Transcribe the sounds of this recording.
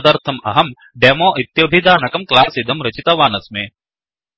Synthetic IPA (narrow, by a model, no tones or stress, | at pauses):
d̪ɐɾt̪ʰɐmɐ̰ɦɐm | ɖeːmoːʔit̪jɐbʱid̪aːnɐkɐmklaːsid̪ɐmɾɐt͡ʃit̪ɐʋaːnɐsmeː